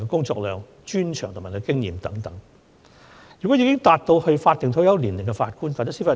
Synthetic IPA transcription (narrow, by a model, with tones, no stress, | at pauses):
kɛ˧kʊ˥ŋt͡sɔ̰ː˧k̚lœː˨ŋ | t͡ʃyː˥nt͡ʃʰœː˨˩ŋt̪ʊ˨˩ma˨˩kɛ˧kɪ˥ŋjiː˨˧mt̪ɐ˨˥ŋt̪ɐ˨˥ŋ | jy˨kɔ˨˥jiː˨˧kɪ˥ŋt̪aː˧t̚t̪o˧whɵ˧ɥfaː˧t̪̚ːɪ˨ŋt̪ʰo˧˥wjɐ˨˥wliː˨˩nlɪ˨ŋkɛ˧faː˧t̚kuː˥nfaː˧˩t̪ɛ˥siː˥faː˧˩